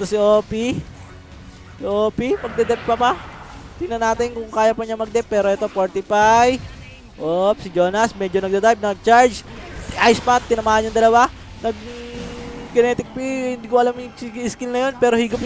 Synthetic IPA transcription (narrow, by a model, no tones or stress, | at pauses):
ɛt̪osɪʔoːpi | sɪʔoːpipɐɡ̚d̪ɛd̪ɛp̚pɐpat̪ɪɡnɐnaːt̪ɪnkʊŋkaːjɐpɐɲamɐɡ̚d̪ɛpːɛːɾoʔɛt̪o̞poɹt̪ɪpaj | ʔopsɪd͡ʒo̞ːnɐsmɛd͡ʒonɐɡ̚d̪ɛd̪ajp̚nɐɡ̚t͡ʃaɹd͡ʒʔajspat̪̚ːɪnɐmaːhɐnɲʊŋd̪ɐlɐwa | nɐɡ̚ | ɡɛnɛːt̪ɪk̚pihɪnd̪iːkoʔɐlamɪŋsskɪlnɐjo̞npɛːɾo̞hiːɡʊp